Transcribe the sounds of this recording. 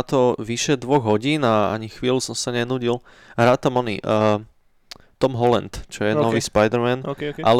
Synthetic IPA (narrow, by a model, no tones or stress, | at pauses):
t̪ɔʋiʃɛd̪ʋɔɣɦɔɟiːnaa̰ɲixʋiːlusɔmsaɲɛnuːɟil | ɦɾaːt̪amɔnḭʔ | t̪ɔmɦɔlɛ̰nt̪t͡ʃɔjɛnɔʋiːspajd̪ɛɾmɛnal